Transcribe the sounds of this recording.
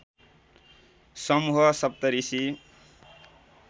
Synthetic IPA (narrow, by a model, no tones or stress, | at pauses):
sʌmuɦʌsʌp̚t̪ʌɾisi